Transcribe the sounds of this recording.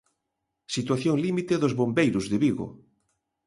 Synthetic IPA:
sit̪waθjoŋlimit̪eðozβombejɾozðeβiɣo̰

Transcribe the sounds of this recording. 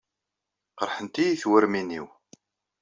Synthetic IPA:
qəɾˤħənt̪ijiθwəɾminḭw

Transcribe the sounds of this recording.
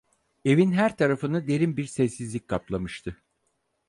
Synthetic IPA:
e̞vinɦæɾt̪ʰaɾafɯnɯd̪e̞ɾimbiɾsɛsːizlʲic̚ʲkʰaplˠamɯʃt̪ʰɯ

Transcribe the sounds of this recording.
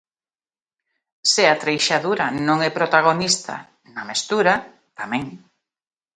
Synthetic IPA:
sɪat̪ɾejʃaðuɾanõŋɛpɾot̪aɣ̞onist̪a̰ | namest̪uɾa | t̪amɛ̃ŋ

